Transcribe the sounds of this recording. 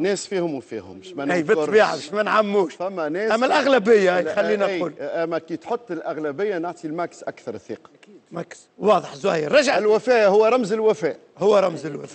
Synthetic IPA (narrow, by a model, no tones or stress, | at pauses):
nɛːsfiːhʊmwfiːhʊ̰mʃmææjbɪt̪ˤbiːʕaʃmænʕamːuːʃfæmːænɛːæmːælʔaɣlæbɪjːaʔjxallːiːnaquːlʔæmækit̪ħot̪ˤːɪlʔaɣlæbɪjːanaʕt̪ilmæksʔakθɑɾˤθḭːqɑ̥ækid̪mæks | wɑːðˤəħzˤʊhiːɾːˤɑʒaʕlwæfɛːʔhʊwːæɾˤɑmzɪlwæfɛːʔ | hʊwːæɾˤɑmzɪlwæf